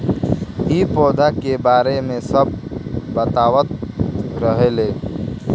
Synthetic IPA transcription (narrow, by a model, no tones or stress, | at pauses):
ipoːd̪ʱakebaɾemẽsəb̚bət̪aʋət̪̚ɾəɦele